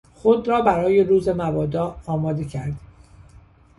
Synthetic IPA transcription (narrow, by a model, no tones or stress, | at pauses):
xod̪ɾɒːbæɾɒːje̞ɾuːze̞mævɒːd̪ɒːɒːmɒːd̪e̞cʰæɾd̪̥